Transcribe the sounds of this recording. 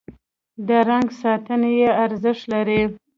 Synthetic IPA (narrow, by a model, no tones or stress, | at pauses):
d̪əɾaŋɡsɑt̪ənejeaɾzəʂt̪laɾi